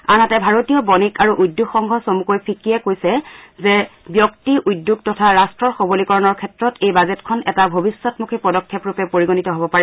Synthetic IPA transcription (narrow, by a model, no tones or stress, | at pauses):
anɦatɛbʱaɹotijɔbɔnikaɹuʔudːuɡxɔŋɡʱɔsomukojpʰikiɛkojsɛzɛbjɔktiʔujdːuɡ̚tɔtʰaɹastɹɔɹxobolikɔɹɔnɔɹkʰɛtɹɔtʰejbazɛtkʰɔnɛtabʱobisːɔtmukʰipɔdɔkʰːepɹupɛpoɹiɡonitɔɦobɔpaɹɛ